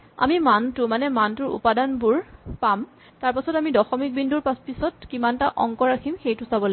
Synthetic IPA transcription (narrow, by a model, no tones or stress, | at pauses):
a̰mimantʊmanɛmantʊɹṵpadanbʊɹpam | taɹpasɔtamidɔxɔmik̚bindʱuɹpaspisɔtkimantaʔɔ̰ŋkɔɹakʰimxejtʊsabɔla